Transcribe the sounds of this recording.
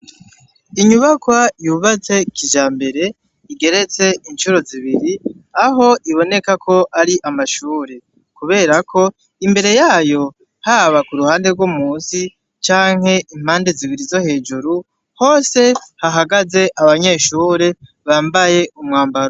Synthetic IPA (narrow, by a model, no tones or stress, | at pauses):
iɲuβakwajuβat͡se̞kiʒaːmbe̞ɾe̞ | iɡe̞ɾe̞t͡se̞ʔint͡ʃuɾo̞ziβiɾiaɦo̞ʔiβo̞ne̞kakʰo̞ʔaɾiʔamaʃuːɾe̞ | kuβe̞ːɾakʰo̞ | imbe̞ɾe̞jaːjo̞ | haβakuɾuhaːnde̞ɾɡwomuːnsi | t͡ʃaːŋ̥he̞ʔim̥aːnde̞ziβiɾizo̞he̞ːd͡ʒuɾu | ho̞ːse̞haɦaɡaze̞ʔaβaɲe̞ːʃuːɾe̞ | βaːmbaje̞ʔumŋaːmbaɾo